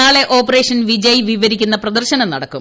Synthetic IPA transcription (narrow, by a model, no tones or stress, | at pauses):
aːɭeʔo̞ːpːɐre̞ːʂɐnʋid͡ʑɐjʋiʋɐɾikʲːunːɐprɐd̪ɐrɕɐnɐmnɐɽɐkːṵm